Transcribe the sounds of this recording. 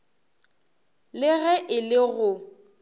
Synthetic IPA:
lɪɣɛʔɪlɪɣʊ

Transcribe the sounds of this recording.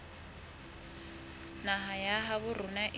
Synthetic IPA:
naɦajaɦaβʊrʊnaʔ

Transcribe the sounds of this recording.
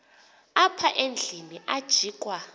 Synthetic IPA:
apʰaʔend͡ɮʱiniʔad̥ʒ̥ʱiːkʼwa

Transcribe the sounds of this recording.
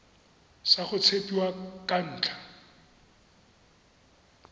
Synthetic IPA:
saχʊt͡sʰepʼiwakʼan̩ːt͡ɬʰḁ

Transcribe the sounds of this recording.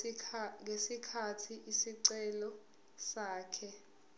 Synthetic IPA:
ŋesikʰatʰiʔisiǀɛlɔ | saːkʰɛ

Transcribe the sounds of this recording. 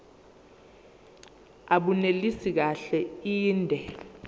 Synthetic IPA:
aɓunelisik̬aɬɛiːndʱɛ

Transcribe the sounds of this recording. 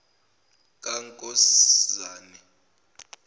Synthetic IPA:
k̬ʼaŋkʼɔszaːni

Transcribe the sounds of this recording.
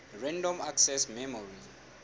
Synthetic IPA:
rɛndɔmaksɛsmɛmɔri

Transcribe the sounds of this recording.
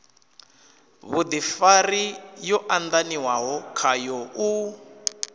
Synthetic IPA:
βud̪ifarijɔʔand̪aniwaɦɔkʰajɔʔu

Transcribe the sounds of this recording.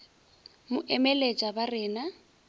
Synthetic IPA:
mʊʔɛmɛlet͡ʃʼabarɪːna

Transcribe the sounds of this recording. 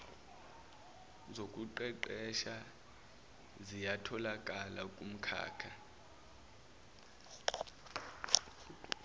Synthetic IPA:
zokʼuǃɛǃɛʃa | zijatʰɔlakʼalakʼum̩kʰa̰ːkʰa

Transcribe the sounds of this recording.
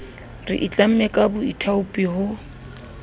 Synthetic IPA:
rɪ̰ʔit͡ɬʼam̩mɛkʼabʊitʰaʊpʼiɦʊ

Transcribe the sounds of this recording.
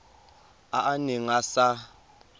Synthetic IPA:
aʔanɛŋasa

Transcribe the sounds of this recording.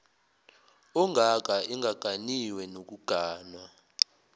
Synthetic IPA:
ɔŋʱak̬aiŋʱaɡ̥ʱaniwɛnok̬uɡ̥ʱaːnwa

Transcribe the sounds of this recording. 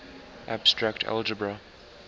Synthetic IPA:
ʔab̥stɹaktʰa̰ld͡ʒəbɹa

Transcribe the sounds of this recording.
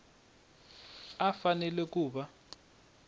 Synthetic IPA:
afanɛlɛk̬ʼuːɓa

